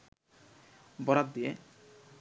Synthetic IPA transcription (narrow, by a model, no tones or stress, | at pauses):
bɔɾat̪̚d̪ije